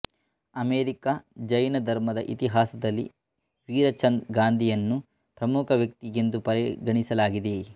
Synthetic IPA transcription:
ɐmeːɾikad͡ʒɐjnɐd̪ʱɐɾmɐd̪ɐ̰ʔḭt̪iɦaːsɐd̪ɐlːḭ | ʋiːɾɐt͡ʃɐnɡaːnd̪ʱijɐnːu | pɾɐmukʰɐʋjɐk̚t̪iɡend̪upɐɾiɡɐɳisɐlaːɡid̪e

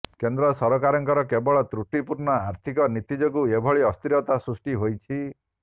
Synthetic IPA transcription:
kend̪ɾɔsɔɾɔkaɾɔŋkɔɾɔkebɔɭɔt̪ɾuʈipuɾnɔaɾt̪ʰikɔnit̪id͡ʒɔkuebʱɔɭiɔst̪iɾɔt̪asɾusʈiɦojt͡ʃʰi

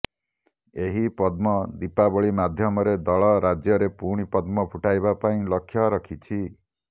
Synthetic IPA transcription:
eɦipɔd̪mɔd̪ipabɔɭimad̪ʱjɔmɔɾed̪ɔɭɔɾad͡ʒjɔɾepuɽ̃ipɔd̪mɔbʱuʈajbapaĩlɔkʰːjɔɾɔkʰit͡ʃʰi

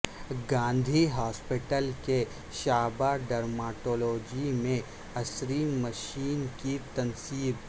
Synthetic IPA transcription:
ɡãːnd̪ʱiɦɔːspɪʈəlke | ʃaːbaɖɐɾmaːʈoːloːd͡ʒimẽ | ɐsɾiːmːəʃiːnkit̪ɐnsiːb

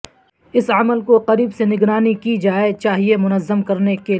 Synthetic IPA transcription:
ɪsɐməlkoqɐɾiːbsenɪɡɾaːnikid͡ʒaːet͡ʃaːɦiemʊnəzːəmkɐɾneke

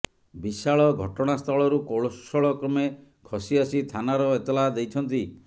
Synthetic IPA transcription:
bisaɭɔɡʱɔʈɔɽ̃ast̪ʰɔɭɔɾukoɭosɔɭɔkɾɔme | kʰɔsiasit̪ʰanaɾɔet̪ɔlad̪ejt͡ʃʰɔnt̪i

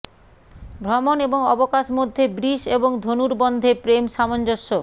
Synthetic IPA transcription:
bʱɾɔmoneboŋɔbokaʃmod̪ʱːebɾiʃeboŋd̪ʱonuɾbɔnd̪ʱepɾemʃamond͡ʑoʃːo

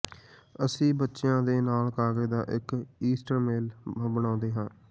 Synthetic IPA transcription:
əsĩːbətːʃɪjãːd̪eːnaːlkaːɡeːd̪aːʔɪkiːsʈəɾmeːlbəñãːnd̪eːɦãː

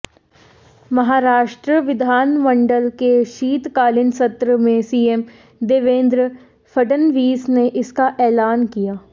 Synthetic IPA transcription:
mɐɦaːɾaːʃʈɾəʋɪd̪ʱaːnmə̃ɳɖəlkeʃiːt̪kaːlɪnsɐt̪ɾəmẽsiːem | d̪eːʋẽːnd̪ɾə | fʰəɖənʋiːsneʔɪskaʔɛːlaːnkijaː

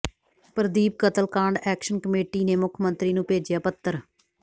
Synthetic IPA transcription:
pɾəd̪iːb̚kət̪əlkãːɳɖɛːkʃənkəmeːʈiːneːmʊkʰmənt̪ɾiːnũːpeːd͡ʒjaːpət̪ːəɾ

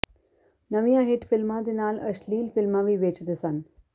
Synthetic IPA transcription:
nɐʋijãːɦɪʈfɪlmãd̪inaːlɐʃliːlfɪlmãʋiʋeːt͡ʃd̪esan

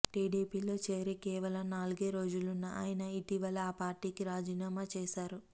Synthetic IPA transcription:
ʈiːɖiːpiːlo̞ːt͡ʃe̞ːɾikɛːʋɐlɐmnaːluɡeːɾo̞ːd͡ʒulunːɐʔa̰ːjinɐiʈiʋɐlɐːpaːɾʈiːkiɾaːd͡ʒiːnaːmaːt͡ʃeːʃaːɾu

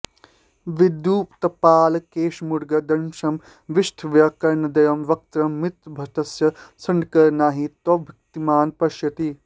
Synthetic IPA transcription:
ʋid̪juːpt̪ɐpaːlɐkeːʃmuɽɡɐd̪ɐnʃɐm | ʋiʃʈʰʋjɐkɐɾnɐd̪ɐjɐmʋɐk̚t̪ɾɐmːɪt̪bʱɐt̪ɐsjɐsɐnɖkɐɾnaːɦit̪ɐbʱɐk̚t̪imaːnpɐʃjɐt̪i

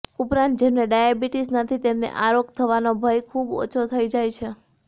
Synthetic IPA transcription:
upɾãnt̪̚d͡ʒemneɖajabiʈisnət̪ʰit̪emnḛʔaɾokt̪ʰəʋanobʱəjkʰubo̰t͡ʃʰot̪ʰəid͡ʒajt͡ʃʰe

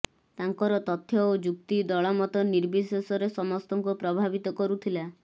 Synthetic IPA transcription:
t̪aŋkɔɾɔt̪ɔt̪ʰːjɔod͡ʒuk̚t̪id̪ɔɭɔmɔt̪ɔniɾbisesɔɾesɔmɔst̪ɔŋkupɾɔbʱabit̪ɔkɔɾut̪ʰila

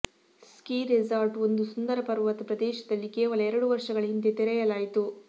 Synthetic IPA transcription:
skiːɾezaːɾʈo̞nd̪usund̪ɐɾɐpɐɾʋɐt̪ɐpɾɐd̪ɛːʃɐd̪ɐlːikeːʋɐlɐɛɾɐɽuʋɐɾʂɐɡɐɭɐɦind̪et̪ɛɾɛjɐlaːjit̪u

